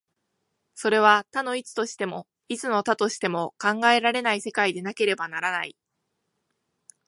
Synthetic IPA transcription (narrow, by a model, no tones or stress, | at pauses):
so̞ɾe̞β̞at̪ano̞it͡sɨ̥t̪o̞ɕi̥t̪e̞mo̞ | it͡sɨno̞t̪at̪o̞ɕi̥t̪e̞mo̞kãŋɡae̞ɾaɾe̞naise̞kaid̪e̞nake̞ɾe̞banaɾanai